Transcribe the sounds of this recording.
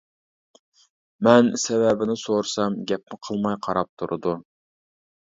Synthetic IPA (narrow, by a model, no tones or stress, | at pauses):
mɛnsɛvɛbɪnɪsoɾsɑmɡʲɛp̚mɪqʰəlˠmɑjqʰɑɾɑp̚t̪ʰuɾɨd̪u